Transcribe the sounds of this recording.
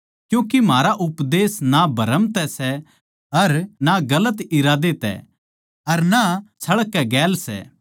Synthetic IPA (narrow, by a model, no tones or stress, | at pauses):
kjũːkimaːɾaʔʊpd̪eːsnabʱɐɾəmt̪ɛsɛ | ɐɾnaɡɐlət̪ɪɾaːd̪et̪ɛ̰ | ɐɾnat͡ʃʰɐɭəkːɛɡɛːlsɛ̰ː